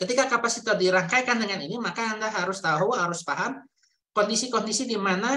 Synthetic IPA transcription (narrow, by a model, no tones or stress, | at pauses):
kət̪ikakapasit̪ɔdiɾaŋkajkandəŋaninimakaːndaɦaɾʊst̪aɔrwaɦaɾʊspaɦan | kɔndisikɔndisidimana